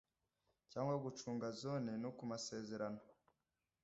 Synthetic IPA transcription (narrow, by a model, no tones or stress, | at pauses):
caːŋɡwaɡut͡ʃuːŋɡazonenukumase̞ːze̞ɾano